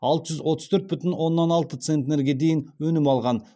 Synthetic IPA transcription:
ɑlˠt̪əʒʏzwo̞t̪əz̥t̪ʰɵɾt̪̚bʏt̪ɪnwo̞nːɑnɑlˠt̪ət̪sent̪neɾɡʲe̞d̪e̞jɪnwɵnɪmɑlˠʁɑn

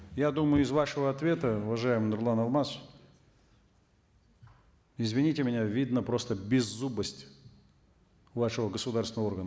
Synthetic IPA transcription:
jad̪uməjʊɪzvaʂəvəɐt̪vʲe̞t̪əʊvɐʐajɪmɨnʊɾlˠanɐlˠmas | ɪzvʲɪnʲitʲɪmʲɪnʲavʲid̪nəpɾo̞st̪əbʲɪzːubəsʲtʲ | vaʂəvəɡəsʊd̪arsʲɪnəvorɡənə

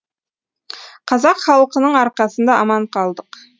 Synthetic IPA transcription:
qʰɑzɑqχɑlˠəqənəɴɑɾqɑsənd̪ɑʔɑmɑɴqʰɑlˠd̪əq

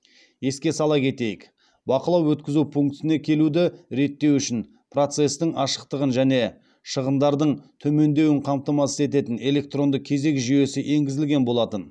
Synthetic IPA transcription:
je̞skʲe̞sɑlˠɑkʲʰe̞t̪e̞jɪk | bɑqəlˠɑwwɵt̪kʲɪzupʰuŋkt̪ɪne̞kʲʰe̞lud̪ɪɾe̞t̪ːe̞wʏʃɪn | pro̞t̪se̞st̪ɪɴɑʃə̥q̚t̪əʁənʒæne̞ | ʃəʁənd̪ɑɾd̪əɴt̪ʰɵme̞nd̪e̞wɪɴqʰɑmp̚t̪ɑmɑsə̥ze̞t̪e̞t̪ɪne̞le̞k̚t̪ro̞nd̪əq̚kʲʰe̞ze̞kʒʏje̞sɪʔe̞ŋɡʲɪzɪlɡʲe̞nbo̞lˠɑt̪ən

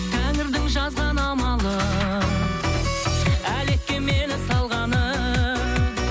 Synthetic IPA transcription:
t̪ʰæŋɪɾd̪ɪŋʒɑzʁɑnɑmɑlˠə | æle̞kʲːeme̞nɪsɑlˠʁɑnə

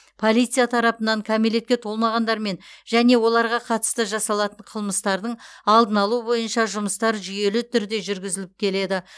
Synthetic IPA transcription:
pʰo̞lˠijt̪sijat̪ʰɑɾɑpənɑŋkʲʰæmele̞t̪kʲet̪ʰo̞lˠmɑʁɑnd̪ɑɾme̞nʒæne̞wo̞lˠɑɾʁɑqʰɑt̪ə̥st̪əʒɑsɑlˠɑt̪əɴqʰəlˠməst̪ɑɾd̪əɴɑlˠd̪ənɑlˠuəbo̞jənʃɑʒʊməst̪ɑɾʒʏje̞lɪt̪ʰʏɾd̪e̞ʒʏɾɡʲɪzɪlɪp̚kʲʰe̞le̞d̪ɪ

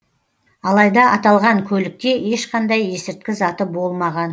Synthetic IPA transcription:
ɑlˠɑjd̪ɑʔɑt̪ɑlˠʁɑŋkʲʰɵlɪk̚t̪e̞e̞ʃqɑnd̪ɑje̞sɪɾt̪̚kʲɪzɑt̪əbo̞lˠmɑʁɑn

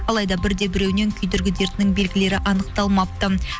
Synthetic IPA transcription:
ɑlˠɑjd̪ɑbɪɾd̪e̞bɪɾe̞wne̞ŋkʲʰʏjd̪ɪɾɡʲɪd̪e̞ɾt̪ɪnɪŋbe̞lɡʲɪle̞ɾɪʔɑnəq̚t̪ɑlˠmɑp̚t̪ə

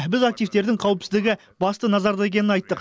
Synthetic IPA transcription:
bɪzak̚t̪ijft̪e̞ɾd̪ɪŋqʰɑwəpsɪzd̪ɪɡʲɪ | bɑst̪ənɑzɑɾd̪ɑe̞k̬ʲe̞nɪnɑjt̪ːəq

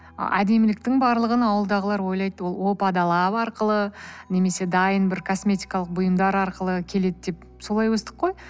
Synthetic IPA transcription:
æ̰d̪e̞mɪlɪk̚t̪ɪŋbɑɾlˠəʁənɑwəlˠd̪ɑʁəlˠɑɾwo̞jlˠɑjt̪wo̞lˠwo̞pɑd̪ɑlˠɑpɑɾqəlˠəne̞me̞se̞d̪ɑjənbɪɾkʰo̞smʲe̞t̪ʲijkɑlˠəq̚bʊjəmd̪ɑɾɑɾqəlˠəkʲʰe̞le̞d̪ɪd̪e̞p | so̞lˠɑjwɵst̪əqːo̞j

